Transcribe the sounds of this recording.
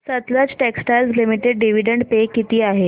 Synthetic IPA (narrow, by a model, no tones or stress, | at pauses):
sət̪lat͡sʈɛksʈajlslimiʈeɖɖiʋ̤iɖəɳɖpekit̪iːaɦe